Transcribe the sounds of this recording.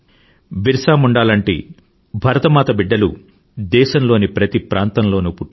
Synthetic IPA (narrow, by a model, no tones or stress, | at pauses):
ʋiɾsaːmuɳɖaːlɐɳʈḭː | bʱɐɾɐt̪ɐmaːt̪ɐbiɖːɐlu | d̪ɛːʃɐmloːnipɾɐt̪ipɾaːnt̪ɐmlo̞ːnupuʈː